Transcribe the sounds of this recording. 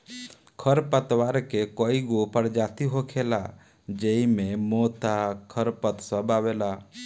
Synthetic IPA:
kʰəɾpət̪waɾkekoːiɡopəɾd͡ʒaːt̪iɦokʰela | d͡ʒeimẽmoːt̪akʰəɾpət̪səbaːwela

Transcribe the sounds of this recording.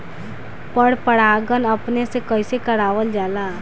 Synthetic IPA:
pəɽpəɽaːɡənəpnesekəɪsekəɽaːʋəld͡ʒaːlaː

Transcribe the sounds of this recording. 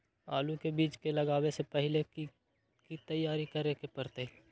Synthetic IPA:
a̰ːlukebiːt͡ʃkelɐɡaːwesepɛɦɪleki | kit̪ɐjːaːɾikɐɾekepɐɾt̪e

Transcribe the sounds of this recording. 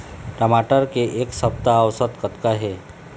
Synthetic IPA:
ʈɐmaʈəɾkeʔeːksəp̚t̪aːwsət̪kət̪kaɦɛː

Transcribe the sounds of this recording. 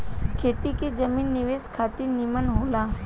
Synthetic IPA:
kʰeːt̪ikid͡ʒəmiːnːɪʋeːskʰaːt̪inimənɦoːlaː

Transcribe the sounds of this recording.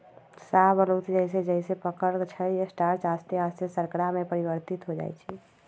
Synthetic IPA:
sabəlot̪d͡ʒəɦs̬ed͡ʒəɪsepəkəɾt͡ʃʰəiesʈaɾt͡ʃast̪east̪esəɾkəɾamepəɾibəɾt̪it̪ɦod͡ʒa̰jt͡ʃʰi

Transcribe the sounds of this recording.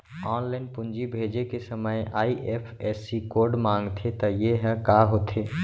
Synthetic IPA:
ɔnlaɪnpund͡ʒibʱed͡ʒekesəməjaiʔepʰesikoɾɖmãŋɡt̪ʰet̪ɔjeɦɛ̃kaɦot̪ʰe

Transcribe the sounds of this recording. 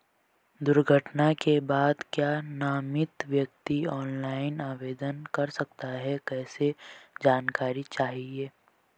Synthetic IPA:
d̪ʊɾɡʱəʈnakebaːd̪kjaːnaːmɪt̪ʋjəkt̪iɔːnlaːɪnaːʋeːd̪ənkɐɾsɐkt̪aɦɛkɛːsed͡ʒaːnkaːɾit͡ʃaːɦieː

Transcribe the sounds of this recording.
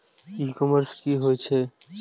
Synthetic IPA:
ikɔməɾskiɦojt͡ɕʰe

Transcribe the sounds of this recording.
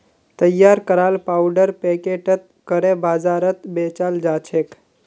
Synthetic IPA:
t̪əjːaɾkəɾalpawɖəɾpekeʈət̪̚ | kəɾebaːzaɾət̪bet͡ʃald͡ʒat͡ʃʰek

